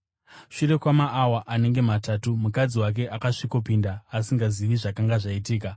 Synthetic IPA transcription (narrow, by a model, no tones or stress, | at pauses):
ʂure̞kwamaʔːwaʔane̞ŋɡe̞matatumukad͡ziwak̬e̞ʔakaʂiko̞pindaːsiŋɡaziʋiʐakaŋɡaʐaitiːk̬a